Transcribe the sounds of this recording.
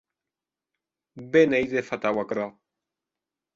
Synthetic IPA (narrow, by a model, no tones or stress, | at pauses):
bɛnɛjzefat̪awakɾa